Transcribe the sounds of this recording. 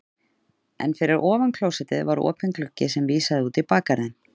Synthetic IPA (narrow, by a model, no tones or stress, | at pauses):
ɛ̰nfɪɾɪɾʔɔːvankʰlowsɛt̪ɪðvaɾɔ̰ːpɛnklʏcːɪsɛmviːsaðɪuːt̪ɪpaːkaɾɪn